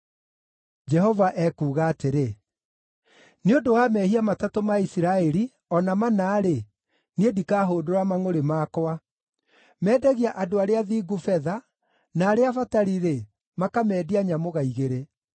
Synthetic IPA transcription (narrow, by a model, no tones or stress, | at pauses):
d͡ʒɛhɔvaʔɛkuːɣaːteɾe | neodowamɛhiamatatomaisiɾaɛɾi | ɔnamanaːɾe | niedikaːɦoːdoɾamaŋoɾemaːkɔa | mɛːdɛɣiaʔadoaɾeaðiːɡufɛða | naːɾeafataɾiɾe | makamɛːdiaɲamoɣaiɣeɾe